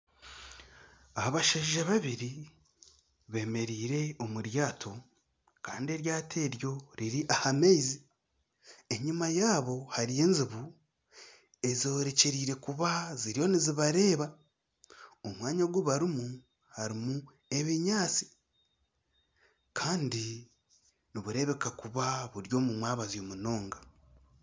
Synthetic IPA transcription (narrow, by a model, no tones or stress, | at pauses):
ahaβaʃaʒiʒaβaβiɾi | βe̞ːme̞ɾiːɾe̞o̞muɾjaːtʰo̞ | ka̰ːndie̞ɾjaːtʰe̞ːɾjo̞ɾiɾiʔahamejzi | e̞ɲimajaːβo̞haɾije̞ːnziβu | e̞zoɾe̞ceɾiːɾe̞kuβaziɾjo̞niziβaɾe̞ːβa | omwaːɲaɡwuβaɾimu | haɾimu | e̞βiɲaːt͡si̥ | kʰaːndi | niβuɾe̞βe̞kakuβaβuɾjo̞ːmumwaːβazjo̞ːmuno̞ːŋɡa